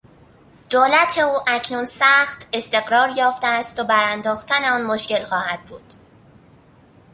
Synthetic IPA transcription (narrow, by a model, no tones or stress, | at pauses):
d̪̥oːlæt̪ʰe̞uːʔæcʰnuːnsæxt̪ʰe̞st̪e̞ɣɾɒːɾjɒːft̪eæst̪obæɾænd̪ɒːxt̪ʰæneɒːnmo̞ʃce̞lxɒːhæd̪̥̚bṵːd̪̥